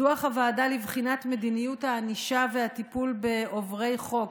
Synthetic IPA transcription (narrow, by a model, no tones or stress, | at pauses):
uaχavaːdalivχinatme̞d̪inijuthaːniʃave̞hat̪ipulbe̞ovʁe̞jχo̞k